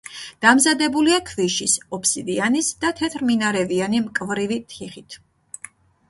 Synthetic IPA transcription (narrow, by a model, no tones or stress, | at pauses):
d̪̥amzad̪ɛbuliakʰviʃisɔpʰsid̪ianisd̪at̪ʰɛt̪ʰɾminaɾɛvianimkʼvɾivit̪ʰiχit̪ʰ